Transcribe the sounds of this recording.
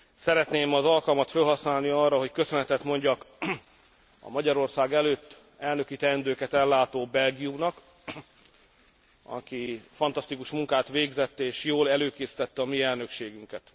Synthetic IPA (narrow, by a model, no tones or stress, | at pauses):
sɛɾɛt̪neːmɒzɒlkɒlmɒt̪følɦɒsnaːlniɒrːɒɦo̞ckø̞sø̞nɛt̪ɛt̪mo̞ɲɟɒk | ɒ̰mɒɟɒɾo̞rsaːɡɛløːt̪ː | ɛlnø̞kit̪ɛnd̪øːkɛt̪ɛlːaːt̪oːbɛlɡijumnɒk | ɒ̰kifɒnt̪ɒst̪ikuʃmuŋkaːt̪ʋeːɡzɛt̪ːeːʃjoːlɛløːkeːsi̥t̪ɛt̪ːɛɒmiɛlnø̞kʃeːɡyŋkɛt̪